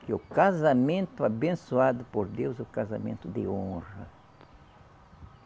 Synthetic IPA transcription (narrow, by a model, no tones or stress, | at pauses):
kɪʊkazamẽnt̪ʊabẽnsuad̪ʊpoɾd̪ewzʊkaza̰mḛ̃nt̪ʊd̪ɪõrɐ̰